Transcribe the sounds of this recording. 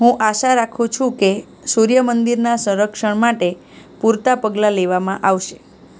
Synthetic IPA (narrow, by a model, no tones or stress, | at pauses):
ɦũʔaʃaɾakʰũt͡ʃʰũke | suɾjəmənd̪iɾnasə̃ɾəkʃəɳmaʈe | puɾt̪apəɡlaleʋamãʔaʋʃe̥